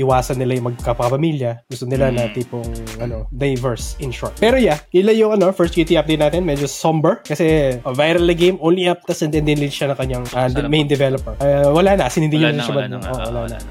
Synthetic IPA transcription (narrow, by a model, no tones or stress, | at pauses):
ʔɪwaːsɐnːɪlajʊŋmɐɡ̚kɐpɐkɐpɐmiljɐɡʊst̪onɪlanɐt̪iːpoŋʔɐno̞d̪ajvɛɹsʔɪnʃoɹt̪̚pɛːɾojaʔɪlajʊŋɐno̞fɛɹst̪kjut̪iap̚d̪ejt̪naːt̪ɛnmɛd͡ʒosombɛɹkɐsɛɐvajɾɐlːɐɡejmʔownliʔap̚t̪ɐsɐnd̪ɛnd̪ɪnlɪnʃanɐŋkɐɲːaŋʔɐmej̃nd̪ɛvɛlopɛɹɐwɐlanɐsɪnhɪnd̪iɲʊnɐlɐʃʊmɐd̪̚ʔo̰ʔwɐlanɐ̰